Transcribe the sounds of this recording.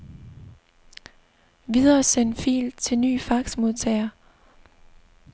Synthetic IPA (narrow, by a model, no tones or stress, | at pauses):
ʋið̞ˠɐːsenfḭːld̥̚t͡sʰe̝lny̰ːfɑ̈ɡ̥smo̝ðˠt͡sʰɛɪɐ